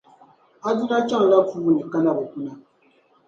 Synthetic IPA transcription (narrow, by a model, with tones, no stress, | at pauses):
a˦du˦la˦t͡ʃa˦ŋ˨la˦fu˦˨ni˨ka˦na˦bɔ˨ku˦na˦